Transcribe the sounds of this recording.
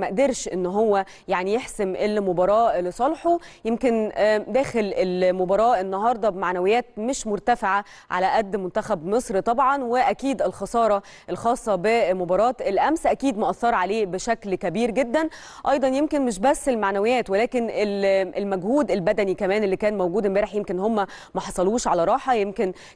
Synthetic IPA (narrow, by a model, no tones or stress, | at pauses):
mæʔd̪eɾʃʔenːɦowːæ | jaʕnijeħsemʔelmobɑɾˤɑːlesˤɑlħojemkend̪æːxelelmobɑɾˤɑːʔenːɑɦɑːɾˤd̪ˤɑbmaʕnæwejːæːt̪̚meʃmoɾt̪æfeʕa | ʕa̰læʔæd̪ːmʊnt̪æxæbmesˤɾit̪ˤɑbʕɑnweʔækiːd̪elxɑsˤɑːɾˤɑ | ʔelxɑːsˤːɑbemobɑɾˤɑːt̪elʔæmsʔækiːd̪mæʔɑθːɑɾˤʕaleːbeʃæklkæbiːɾɡed̪ːæn | ʔɑjd̪ˤɑnjemkenmeʃ̬bæsːelmaʕnæwejːæːt̪welæːkenelelmæɡhuːd̪elbæd̪ænikæmæːnelːikæːnmæwɡuːd̪embæɾeħjemkenːhomːæ | mæħɑsˤɑluːʃʕalæɾˤɑːħɑjemken